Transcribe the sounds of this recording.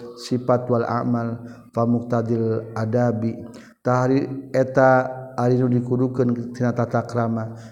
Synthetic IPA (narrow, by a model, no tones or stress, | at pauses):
sifat̪walʔa̰ʔmalfamʊk̚t̪ad̪ɪlʔadabi | t̪aɦaɾiet̪aːɾinudikudukənt̪inat̪at̪akɾama